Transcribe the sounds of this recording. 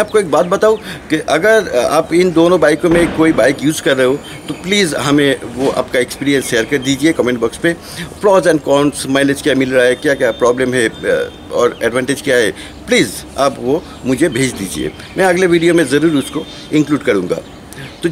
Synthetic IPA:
aːp̚koeːk̚baːt̪̚bɐt̪aːũkeʔɐɡəɾa̰ːpɪnd̪oːnõbaːɪkõmẽkoːibaːɪkjuːzkɐɾːɐɦo | t̪opliːzɦɐmẽʋoʔa̰ːpkaekspiːɾijə̃nsʃeːəɾkɐɾd̪iːd͡ʒiekɔːmẽɳʈbɔkspẽ | pɾɔːzɛ̃ːɳɖkɔːnsmaːɪled͡ʒkjaːmɪlɾaaɛkjakjaːpɾɔːblẽmɦɛ | ɔːɾɛːɖʋãːɳʈed͡ʒkjaɦɛː | pliːz | apʋo | mʊd͡ʒʱebʱeːd͡ʒd̪iːd͡ʒḭḛː | mɛ̃ɐɡleʋiːɖijomẽzɐɾuːɾʊsko | ɪ̃ŋkluːɖkɐɾũːŋɡa̰ː | t̪o

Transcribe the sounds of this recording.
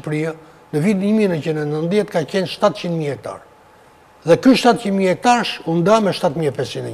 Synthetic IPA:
pɾia | nəvid̪ɲəmiɛnət͡ʃind̪ɛnənðjɛt̪kat͡ɕɛnʃt̪at̪t͡ʃind̪mihɛk̚t̪a̰ɾ | ðɛkyʃt̪at̪t͡ʃind̪mihɛk̚t̪aɾʃund̪amɛʃt̪at̪miɛpɛst͡ʃind̪ɛ

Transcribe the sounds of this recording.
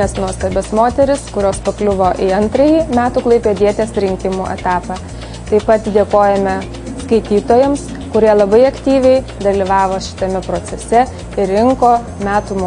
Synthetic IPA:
ɛsnuɔst̪ɐbʲɛsmoːt̪ʲɛɾʲɪskʊɾʲoːspɐklʲʊʋoːʔiɐnt̪ɾɐjiːmʲæːt̪uːklˠɐɪpʲeːd̪ʲiɛt̪ʲeːsɾʲɪŋʲkʲɪmuːʔɛ̰t̪ɑːpɑ | t̪ɐɪpɐt̪d̪ʲeːkoːjɛmʲɛ | skɐɪt̪ʲiːt̪oːjɛms | kʊɾʲiɛlˠɐbɐɪɐkt̪ʲiːʋʲɛɪd̪ɐlʲiʋɑːʋoːʃʲɪ̥t̪ɐmʲɛpɾoːsʲɛsʲɛ | ɪɾɾʲɪŋkoː | mʲæːt̪umo

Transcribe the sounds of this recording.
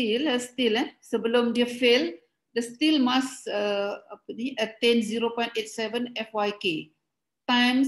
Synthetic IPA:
iləstilɛsəbəlũmdiəfel | dəst̪ilmasəəpəniʔət̪ɛ̃nziɾopɔ̃jntet̚sɛvə̃nɛfwajke | tãjm

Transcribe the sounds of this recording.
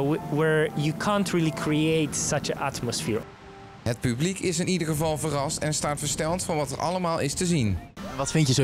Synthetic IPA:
wəɹjukʰãntʰɹilˠikʰɹieɪtsʌt͡ʃə̃ʔa̰tməsfɪɹ | ɦət̚pyblikɪsɪnidəɹχəvɑlˠvərɑstɛnstaːtfəɹstɛlˠtfɑnʋɑtɛɹʔɑ̰ləmaːlˠɪstəzinnʋɑtfɪntjəzo

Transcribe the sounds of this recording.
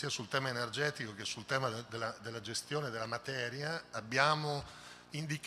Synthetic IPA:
iːasult̪ɛːmaenerd͡ʒɛːt̪ikokesːult̪ɛːmad̪elːad̪elːad͡ʒest̪joːned̪elːamat̪ɛːɾjaːbːjaːmo | ind̪ik

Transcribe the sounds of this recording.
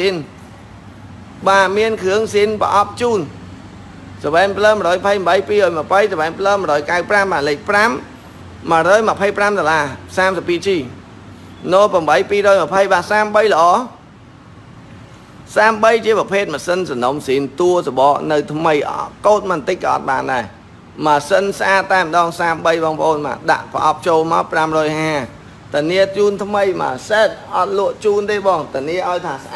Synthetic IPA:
in | ɓaːmiənkʰɨəŋsiːnpə̰ʔɑp̚t͡ɕuːn | sɑʋɛɛŋpʰləːməɾɔːjmpʰəjməɓəjpiːɾɔːjməpʰəjsəʋɛɛŋpʰləːməɾɔːjkawpramɓaːnlec̚pramː | ə̆əɾɔːjməpʰəjpramɗolaːsaːmsəpːiːt͡ɕiː | noːlprɑmɓəjpiːɾɔːjməpʰəjɓaːsaːmɓəjlə̆ʔɑː | saːmɓəjt͡ɕiəprɑpʰeːt̪̚məsənsɑnomsiːmt̪uəsoɓɑːʔnɨwt̪ʰməjʔkoːt̪̚mənt̪ɨc̚kɑʔɑ̰t̪̚ɓaːnɗaɛ | masənsʔaːt̪ːaɛmə̆ɗɑːŋsaːmɓəjɓɑːŋpʰə̰̆ʔoːnma̰ːɗa̰ʔpə̆ʔɑ̰p̚t͡ɕoːlma̰ɔpramrɔːjɦaː | t̪aniət͡ɕuːnt̪ʰməjma̰ːsɛːt̪̚ʔɑt̪̚lʊ̆əʔt͡ɕuːnt̪eːɓɑːŋt̪aniəʔaɔjt̪ʰaːs

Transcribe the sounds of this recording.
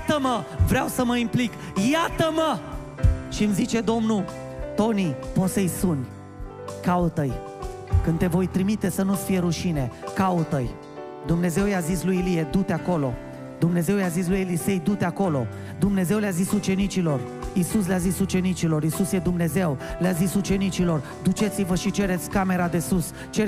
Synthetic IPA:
t̪əməvɾeawsəməimplik | jat̪əmə | ʃimzit͡ʃe̞d̪o̞mnu | t̪o̞nipo̞t̪səjsunʲ | kaut̪əj | kɨnt̪e̞vo̞jt̪ɾimit̪e̞sənut̪sfijeɾuʃine̞kaut̪əj | d̪umne̞ze̞wjazislujilije̞d̪ut̪eako̞lo̞̰ | d̪umne̞ze̞wjazis̬lujelise̞jd̪ut̪eako̞lo̞̰ | d̪umne̞ze̞wleazisut͡ʃe̞nit͡ʃilo̞r | isus̬leazisut͡ʃe̞nit͡ʃilo̞ɾisusjed̪umne̞ze̞wleazisut͡ʃe̞nit͡ʃilo̞r | d̪ut͡ʃe̞t̪sivəʃit͡ʃe̞ɾet̪sʲkame̞ɾad̪e̞sus | t͡ʃe

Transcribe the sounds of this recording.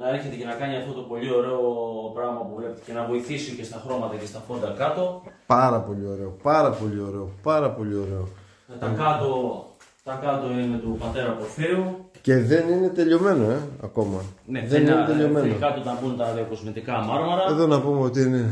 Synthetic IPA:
nɐeɾçe̞t̪ece̞nɐkɐniɐft̪o̞t̪o̞po̞ʎio̞ɾe̞opɾɐɣmɐpuvlept̪i̥ce̞nɐvo̞iθisice̞st̪ɐxɾo̞mɐt̪ɐcest̪ɐfo̞d̪ɐkɐt̪o̞pɐɾɐpo̞ʎio̞ɾe̞o̞pɐɾɐpo̞ʎio̞ɾe̞o̞pɐɾɐpo̞ʎio̞ɾe̞o̞ | t̪ɐkɐt̪o̞ | t̪ɐkɐt̪o̞ine̞t̪upɐt̪e̞ɾɐpoɾθiuce̞ðe̞nine̞t̪e̞ʎo̞me̞no̞e̞ɐ̰ko̞mɐneðeninet̪eʎome̞nnokɐt̪ot̪ɐbunt̪ɐðioko̞zmit̪ikɐmɐɾmɐɾɐeðo̞nɐpumeo̞t̪iine̞

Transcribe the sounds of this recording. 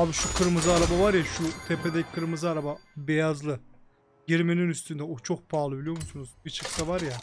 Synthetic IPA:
abiʃukʰɯɾmɯzɯaɾabavaɾjaʃut̪ʰepʰed̪ɛci̥kʰɯɾmɯzɯaɾababejazlˠɯ | ɟiɾmeninyst̪ʰynd̪ɛot͡ʃʰo̞k̚pʰaːlˠɯbilʲijoɾmusunuzbit͡ʃʰɯksavaɾja

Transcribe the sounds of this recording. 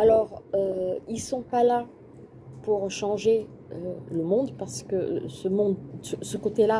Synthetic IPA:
alɔʁøilsɔ̃pala | puʁʃɑ̃ʒe | øləmɔ̃d̪paʁsə̥kə̰səmɔ̃d̪əsəkot̪ela

